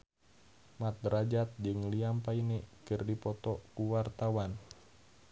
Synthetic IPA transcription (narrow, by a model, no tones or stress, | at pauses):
mat̪̚rad͡ʒat̪̚d͡ʒɨŋliampainɛkɨrdipɔt̪ɔkuwart̪awan